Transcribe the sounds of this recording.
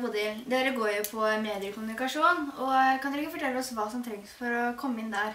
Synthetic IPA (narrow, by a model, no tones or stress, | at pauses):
pʰɔd̪ɪd̪eːɾəɡoːɾjʊpʰɔmeːd̪ɪəkʰʊmʉnɪkɑʂuːnɔkʰɑnd̪ɛɾɪkːəfɔʈʰɛlːəɔsʋɑːsɔmt̪ʰɾɛŋːsfɔɾɔkʰɔmːəɪnːd̪æɾ